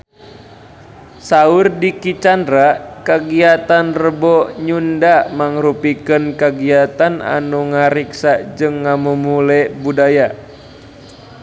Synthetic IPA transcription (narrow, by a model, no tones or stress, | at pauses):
saurdikit͡ʃandɾakaɡiat̪anrəbɔɲundamaŋrupikənkaɡiat̪ana̰nuŋaɾiksad͡ʒɨŋːamumulɛbudaja